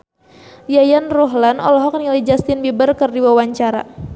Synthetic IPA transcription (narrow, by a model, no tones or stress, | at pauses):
jajanrɔɦlanɔ̰lɔɦɔk̚nilid͡ʒast̪ɪnbibərkərdiwawaɲt͡ʃaɾa̰